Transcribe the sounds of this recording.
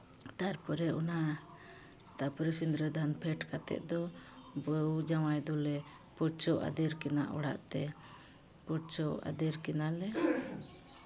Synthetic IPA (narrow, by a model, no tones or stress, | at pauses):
t̪aɾpɔɾɛɔna | t̪apɔɾisind̪ɾəd̪ʱanpʰɛʈkat̪ɛ̰ʔ̚d̪ɔbəwd͡ʒawajd̪ɔlɛ | puɾt͡ʃɔʔa̰d̪ɛɾkɛna̰ʔɔɽa̰ʔt̪ɛ | puɾt͡ʃɔa̰d̪ɛɾkɛnalɛ